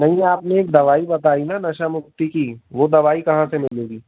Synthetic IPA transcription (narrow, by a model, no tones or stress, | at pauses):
nɐɦĩaːpneeːk̚d̪ɐʋaːibɐt̪aːinanɐʃamʊkt̪ikiʋoːd̪ɐʋaːikɐɦãsemɪleːɡiː